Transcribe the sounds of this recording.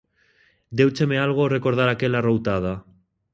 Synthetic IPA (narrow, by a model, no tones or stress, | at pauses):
d̪ewt͡ʃemealɣ̞orekoɾð̞aɾakelarowt̪að̞a